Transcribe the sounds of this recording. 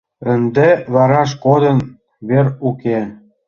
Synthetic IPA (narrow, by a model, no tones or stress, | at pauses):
ənd̪eβɑɾɑʃ̬kod̪ə̆n | βeɾuke